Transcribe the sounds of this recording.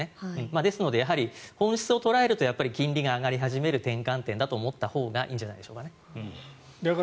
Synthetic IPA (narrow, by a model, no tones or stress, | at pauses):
eɯ̟̃ɴmaːd̪e̞sɨno̞d̪ejaɦaɾʲihõ̞ɰ̃ɕi̥t͡sɨo̞t̪o̞ɾae̞ɾɯ̟t̪o̞japːaɾʲikʲĩnɾʲiɡaːɡaɾʲiɦaʑime̞ɾɯ̟t̪ẽ̞ŋkãnt̪ẽ̞nd̪at̪o̞ːmo̞t̪ːaho̞ːɡaʔḭːɲ̟d͡ʑanaid̪e̞ɕoːkane | d̪ak